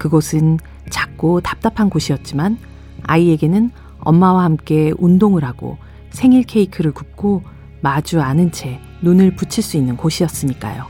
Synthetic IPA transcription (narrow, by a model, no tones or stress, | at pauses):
kɯɡʌsʰɯn | t͡ɕak̚k͈otḁp̚t͈apʰanɡoɕʰijʌt̚t͡ɕ͈iman | a̰ie̞ɡe̞nɯn | ʌ̰mːawahamk͈e̞undoŋɯɾɦaɡo̰ | sʰe̞ŋiɭkʰe̞ikʰɯɾɯɭkup̚k͈ʰo | mad͡ʑuanɯnt͡ɕʰe̞ | nunɯɭput͡ɕʰiɭs͈uinːɯnkoɕʰiʌs͈ɯɲik͈a̰jo